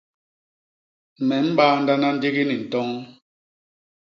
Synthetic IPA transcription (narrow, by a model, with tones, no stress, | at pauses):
mɛ˨˦m̩˦ɓaː˦n̩˦da˦na˦n̩˦di˦ɣi˦ni˨n̩˨tɔ˦ŋ